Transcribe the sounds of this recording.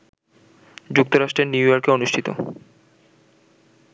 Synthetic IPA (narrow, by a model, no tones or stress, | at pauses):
d͡ʑuk̚t̪oɾaʃʈɾeɾniujoɾkeonuʃʈʰit̪o̰